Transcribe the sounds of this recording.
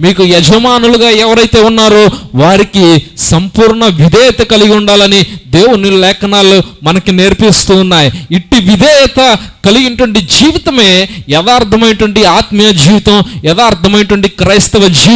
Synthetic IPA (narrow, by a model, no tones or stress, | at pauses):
miːkujɛd͡ʒʱɐmaːnuluɡaːɛʋɐɾɐjt̪e̞ːunːaːɾoːʋaːɾikisɐmpuːɾɳɐʋid̪ʱɛːt̪ɐkɐliɡiuɳɖaːlɐnid̪e̞ːwunilɛːkɐnaːlumɐnɐkineɾpist̪unːaːjiiʈːiʋid̪ʱɛːɐt̪ɐkɐliɡinɐʈʋɐɳʈid͡ʒiːʋit̪ɐme̞ːjɛd̪aːɾt̪ʰɐmɐjnɐʈʋɐɳʈiaːt̪mɐjɐd͡ʒiːʋit̪ɐmjɛd̪aːɾt̪ʰɐmɐjnɐʈʋɐɳʈikɾɐjst̪ɐʋɐd͡ʒiː